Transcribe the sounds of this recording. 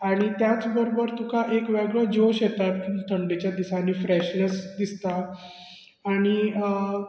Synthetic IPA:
aɽ̃it̪jat͡sbəɾobəɾt̪ukaʔekʋeɡɭəd͡ʑoɕjet̪at̪t̪ʰəɳɖet͡ɕjad̪isanifɾɛɕnəsd̪ist̪aː | ɽ̃iə

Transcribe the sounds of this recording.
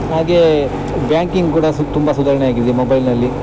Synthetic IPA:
ɦaːɡe | bjaːŋkiŋɡkuːɽɐt̪umbɐsud̪aːɾɐɳeaːɡid̪emobɐjlnɐlːi

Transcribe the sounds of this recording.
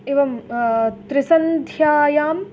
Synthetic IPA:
eːʋɐmt̪ɾɪsɐnd̪ʱjaːjaːm

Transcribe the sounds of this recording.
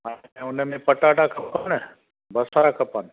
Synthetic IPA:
ɦãʊnəmẽpɐʈaːʈakʰɐpanə | bɐsaɾakʰɐpan

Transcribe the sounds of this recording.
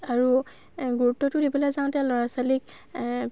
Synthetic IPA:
aɹu | ɡuɹutːɔtʊdipɛlazaw̃tɛlɔɹasalik

